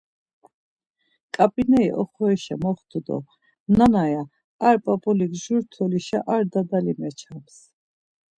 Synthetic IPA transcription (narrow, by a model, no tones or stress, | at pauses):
kʼapʼinɛiʔɔ̰χɔɛʃamɔχt̪ʰud̪ɔ̰ | nanajaː | ɾpʼapʼɔliɡʒuɾt̪ʰɔliʃa̰ʔaɾd̪ad̪alimɛt͡ʃʰams